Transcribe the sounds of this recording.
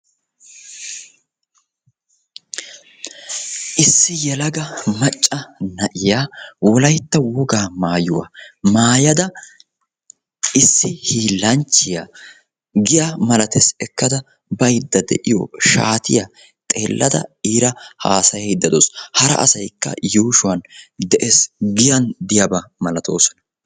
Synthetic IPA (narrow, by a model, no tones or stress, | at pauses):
ʔɪsːɪjɛlɐɡɐmɐt͡ʃʼːɐnɐʔɪjaːwɔlɐjt̪ːɐwʊɡaːmaːjʊwɐ̰maːjɐd̪ɐ | ɪsːɪhiːlːɐnt͡ʃːɪja | ɡɪjamɐlɐt̪ɛsɛkːɐd̪ɐ | bɐjd̪ːɐd̪ɛ̰ʔɪjɔ̰ʃaːt̪ɪja | t̪ʼe̞ːlːɐd̪ɐ̰iːɾɐhaːsɐjɛd̪ːɐd̪oːshɐɾɐ̰ʔɐ̰sɐjkːɐ̰juːʃʊwɐnd̪ɛʔesɡɪjɐnd̪ɪjɐbɐmɐlɐt̪o̞̰ːsɔ̥nɐ